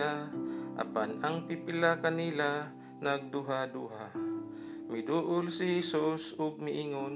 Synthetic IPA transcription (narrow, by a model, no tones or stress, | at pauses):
aʔa̰panaŋpipɪlakɐnila | nɐɡ̚d̪uɦad̪uɦa | mɪd̪uːʔʊlsɪhɛsusʊɡ̚mɪʔiŋon